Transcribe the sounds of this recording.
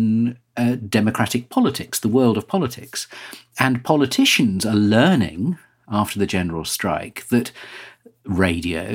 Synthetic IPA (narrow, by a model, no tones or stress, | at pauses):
n | dɛməkʰɹ̥aɾɪk̚pʰɒlətʰɪksðəwɜːlˠdəv̥pʰɒlətʰɪksə̃npʰɒlətʰɪʃɨ̃nzəlɜːnɪ̰̃ŋ | ɑftəðɨd͡ʒɛnəɹəl̩ˠstɹ̥a̰ɪkðɨt | ɹeɪdiə̰ʊ